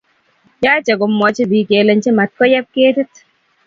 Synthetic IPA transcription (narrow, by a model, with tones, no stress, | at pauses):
jaː˦t͡ʃɛ˨kɔ˨mːɔ˨t͡ʃi˦bi˨ke˨le˨˦ɲt͡ʃi˦ma˨t̚kɔ˦jɛ˦p̚keː˦tɪ˦t